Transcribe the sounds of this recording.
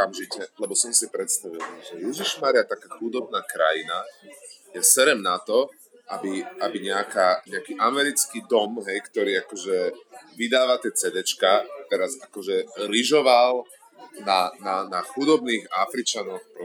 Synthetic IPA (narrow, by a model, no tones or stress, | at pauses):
amʒicɛlɛbɔsɔmsipɾɛt̪st̪aʋilʒɛjɛʒiʃmaɾɪat̪akaːxud̪ɔbnaːkɾa̰jina | jɛsɛɾɛmnat̪ɔ | ʔabiabiɲɛakaːɲɛakiːʔamɛɾit͡skiːd̪ɔmɦɛjkt̪ɔɾiːakɔʒɛʋid̪aːʋat̪ɪɛt͡sɛd̪ɛt͡ʃkat̪ɛɾazakɔʒɛɾiʒɔʋal | nananaxud̪ɔbniːɣafɾit͡ʃanɔxpɾɔ